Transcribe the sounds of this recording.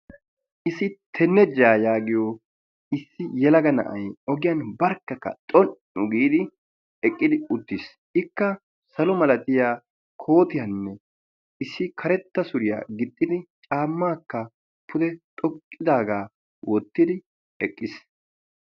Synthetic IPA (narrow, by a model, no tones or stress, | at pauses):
ʔɪsɪt̪ʰɛnːɛd͡ʒaːjaːɡɪjo | ɪsːɪjɛlɐɡɐnɐ̰ʔɐ̰jɔɡɪjɐnbɐɾkːɐkːɐ̰t̪ʼɔn | ʊɡiːd̪ɪ | ɛkʼːɪd̪ɪʊt̪ːɪs | ɪkːɐ | sɐlɔmɐlɐt̪ɪjaː | kʰo̞ːt̪ɪjɐnːɛ | ʔɪsːɪkʰɐɾɛt̪ːɐsʊɾɪja̰ːɡɪt̪ʼːɪd̪ɪt͡ʃʼaːmːaːkːɐ | pʰʊd̪ɛt̪ʼɔkʼːɪd̪aːɡaː | wɔt̪ːɪd̪ɪ | ɛkʼːɪs